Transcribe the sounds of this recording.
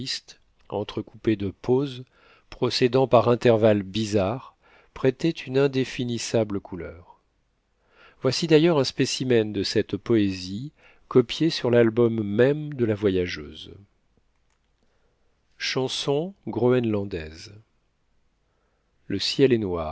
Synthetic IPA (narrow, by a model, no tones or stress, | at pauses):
ist̪ | ɑ̰̃t̪χəkuped̪əpʰoz | pχɔsed̪ɑ̃paʁɛ̃t̪ɛʁvalbizaʁ | pχɛt̪ɛt̪ʰynɛ̃d̪efinisabləkʰulœʁ | vwasid̪ajœʁɛ̃spesimɛnd̪əsɛt̪pɔezi | kɔpjesyʁlalbɔmːɛmd̪əlavwajaʒø̰ːz | ʃɑ̃sɔ̃ɡʁoɛnlɑ̃d̪ɛz | ləsjɛlɛnwa